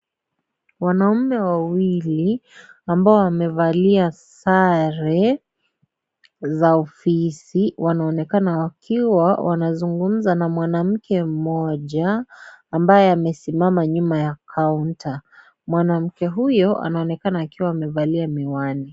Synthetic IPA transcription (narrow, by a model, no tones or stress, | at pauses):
wanaumɛwawiliambaɔamɛvaliasaɾɛ | zaɔfisiwʔanaɔnɛkanawakʰiwawʔa̰nazuŋɡum̩zanamwanam̩kʰɛm̩mɔʄaː | mbajɛamɛsimamaɲumajakʰaunta | mwanam̩kɛɦujɔa̰naɔnɛkanaːkiwaamɛvaliamiwani